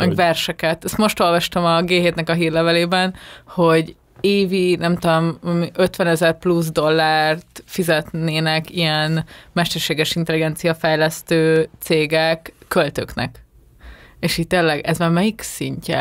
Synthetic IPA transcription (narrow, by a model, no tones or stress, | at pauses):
mɛɡvɛrʃɛkɛt̪ɛst̪mo̞ʃt̪o̞lvɒʃt̪ɒmɒɡeːɦeːt̪nɛkɒɦiːrlɛvɛleːbɛnho̞ɟ | eːvinɛmt̪ud̪omɒmiʔøt̪ʋɛnɛzɛrpluzd̪o̞lːaːrt̪fizɛt̪neːnɛkijɛnmɛʃt̪ɛrʃeːɡɛʃint̪ɛliɡɛnt̪sijɒfɛjlɛst̪øːt̪seːɡɛkːølt̪øknɛ̰k | eːʃiːtt̪eːlːɛɡɛzmaːrmɛjiksiɲcɛ̰